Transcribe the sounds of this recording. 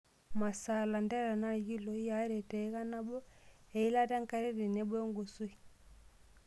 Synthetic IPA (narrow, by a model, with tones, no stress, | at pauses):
ma˨sa˨la˨ndɛ˦ɾa˨na˦˨ɣi˦lɔ˨˦ja˨˦ɾɛ˨tɛ˨˦ɣa˦na˦bɔ˦ɛ˨i˦la˦ta˦ŋ˦ka˦ɾɛ˦ɾi˨nɛ˨˦bɔ˦ŋɡo˨su˦i˨